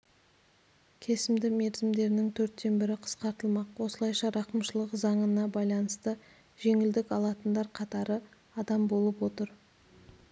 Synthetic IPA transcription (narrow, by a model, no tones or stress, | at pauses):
kʲʰe̞sɪmd̪ɪme̞ɾzɪmd̪e̞ɾɪnɪŋt̪ʰɵɾt̪ːe̞nbɪɾɪqʰə̥sqɑɾt̪əlˠmɑqwo̞səlˠɑjʃɑɾɑqəmʃəlˠəqzɑɴənɑbɑjlˠɑnəst̪ə | ʒ̥e̞ŋɪld̪ɪkɑlˠɑt̪ənd̪ɑɾqʰɑt̪ɑɾə | ɑd̪ɑmbo̞lˠəpwo̞t̪əɾ